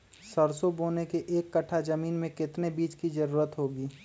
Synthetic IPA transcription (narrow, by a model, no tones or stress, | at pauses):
səɾsoboːnekeʔeːkːɐʈʰːad͡ʒɐmiːnmẽkɪt̪nebiːt͡ʃkid͡ʒɐɾuːɾət̪ɦoːɡiː